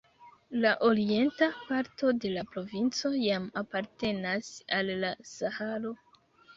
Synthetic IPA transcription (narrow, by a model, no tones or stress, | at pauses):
laʔo̞ɾie̞ntapaɾto̞de̞lapɾo̞vint͡so̞jamapaɾte̞nasalːasahaɾo̞